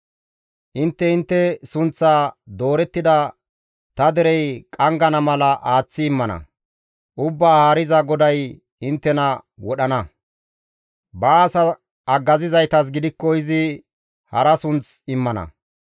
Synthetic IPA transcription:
ʔɪnt̪ːɛɪnt̪ːɛsʊnt͡sːaːd̪o̞ːɾɛt̪ːɪd̪ɐ | t̪ɐd̪ɛɾɛjkʼɐŋɡɐnɐmɐlɐʔaːt͡sːɪːmːɐnɐ̰ | ʔʊbːaːhaːɾɪzɐɡɔd̪ɐj | ɪnt̪ːɛnɐwɔɗɐnɐ | bɐːsɐ | ɐɡːɐzɪzɐjt̪ɐs̬ɡɪd̪ɪkːɔɪzɪ | hɐɾɐsʊnt͡sɪmːɐnɐ̰

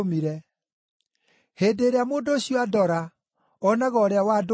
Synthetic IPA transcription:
miɾɛ | heːdeɾeamoːndoːɕiɔadɔɾa | ɔnaɣɔɾeawaːd

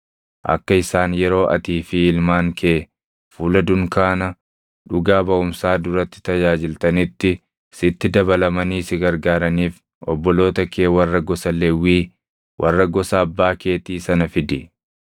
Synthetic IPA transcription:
ʔɐ̰kːɐɪsaːnjɛɾo̞ːʔɐ̰t̪iːfɪɪlmaːŋkʰeː | fuːlɐd̪ʊŋkaːnɐ | ᶑʊɡaːbɐʊmsaːd̪ʊɾɐt̪ːɪ̥t̪ɐjaːd͡ʒɪlt̪ɐnɪt̪ːɪ | sɪt̪ːɪd̪ɐbɐlɐmɐniːsɪɡɐɾɡaːɾɐniːf | ɔbːɔlo̞ːt̪ɐkʰeːwɐrːɐɡɔsɐlɛwːiː | wʔɐrːɐɡɔsɐːbːaːke̞ːt̪iːsɐnɐfɪd̪ɪ

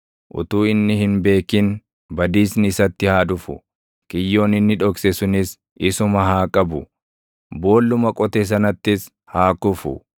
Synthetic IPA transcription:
ʔʊ̰t̪uːɪnːɪhɪnbe̞ːkɪn | bɐd̪iːsnɪɪsɐt̪ːɪhaːᶑ̪ʊfʊ | kʼɪjːo̞ːnɪnːɪᶑɔksɛsʊnɪs | ɪsʊmɐɦaːkʼɐbʊ | bo̞ːlːʊmɐkʼɔt̪ɛs̬ɐnɐt̪ːɪs | haːkʊfʊ̰

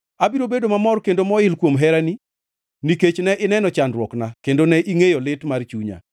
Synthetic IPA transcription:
abiɾobedomamɔrkendomɔɪlkwomɦɛɾani | niket͡ʃnɛʔɪnɛnɔt͡ʃandɾwɔknakendonɛʔiŋejɔlɪtmart͡ʃuɲa̰

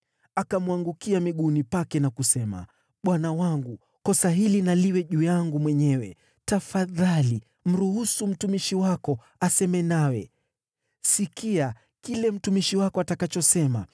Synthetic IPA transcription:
akamuaŋɡukiamiɠunipakɛnakusɛma̰ | ɓwanawaŋɡu | kɔsaɦilinaliwɛʄujaŋɡumwɛɲɛwɛ | tafaðali | m̩ɾuhusum̩tumiʃiwakɔ | asɛmɛnawɛ | sikia | kilɛm̩tumiʃiwakɔatakat͡ʃɔsɛma̰

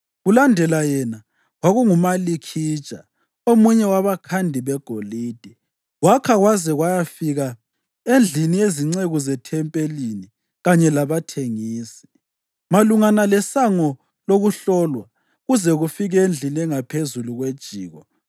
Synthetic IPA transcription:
ɣulandʱɛlajɛna | ɣwaɣuŋumalikʰi̥ːt͡ʃʼa̰ | omuɲɛwaβakʰandʱiβɛɡ̥ʱoliːd̥ʱi | ɣwakʰaɣwazɛɣwajafiɣa | end͡ɮʱinijeziŋ͡ǀeɣɔzɛtʰɛmpʼelini | ɣaɲɛlaβatʰeŋiːsi̥ | maluŋanalɛsaŋɔ | loɣuɬɔlwa | ɣuzɛɣufiɣɛend͡ɮʱinɛŋapʰezuluɣwed̥ʒ̥ʱiːɣɔ

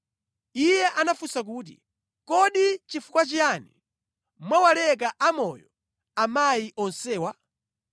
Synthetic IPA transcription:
ijɛʔanafusak̬uːt̬ḭ | kɔɗit͡ʃifukwat͡ʃiani | mwawalɛk̬aʔamɔjɔ | amajiʔɔnsɛːwa

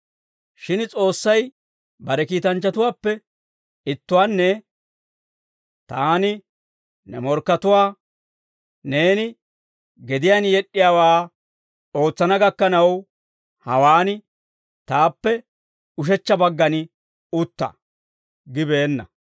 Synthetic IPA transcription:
ʃɪnt͡sʼo̞ːsːɐj | bɐɾɛkiːt̪ɐnt͡ʃːɐt̪ʊwaːpːɛ | ɪt̪ːʊwaːnːɛ | t̪aːnɪ | nɛ̰mɔɾkːɐt̪ʊwaː | ne̞ːnɪ | ɡɛd̪ɪjaːnjɛɗːɪjaːwaː | o̞ːt͡sːɐnɐɡɐkːɐnɐw | hɐwaːnɪ | t̪aːpːɛ | ʊʃ̬ɛt͡ʃːɐbɐɡːɐnɪ | ʊt̪ːɐ̰ | ɡɪbe̞ːnːɐ̰

